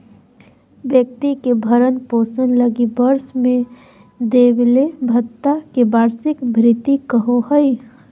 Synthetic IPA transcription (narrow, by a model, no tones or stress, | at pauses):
ʋjək̚t̪ikebʱəɾənpoːsənləɡibəɾsmẽ | d̪eːblebʱət̪ːakebaːɾsɪkbʱɾɪt̪ikəɦoɦəj